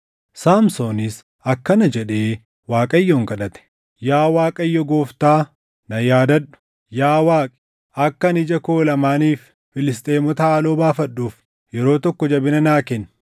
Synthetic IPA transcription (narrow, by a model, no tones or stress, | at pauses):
saːmsoːnɪs | ɐkːɐnɐd͡ʒɛᶑeː | waːkʼɐjːoːŋkɐɗɐt̪ɛ̥ | jaːwaːkʼɐjːɔɡoːft̪aː | nɐjaːd̪ɐɗʊ̥ | jaːwaːkʼ | ɐkːɐnɪd͡ʒɐkoːlɐmaːniːfː | ɪlɪst̪ʼeːmɔt̪ɐaːloːbaːfɐɗːuːf | jɛɾo̞ːt̪ɔkːɔd͡ʒɐbɪnɐnaːkɛn